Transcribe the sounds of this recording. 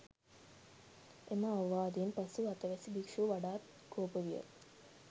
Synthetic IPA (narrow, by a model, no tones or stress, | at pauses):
eməaʋʋaːd̪enpɐsuat̪əʋæsibikʂuʋaɖaːt̪ | koːpəʋijə̰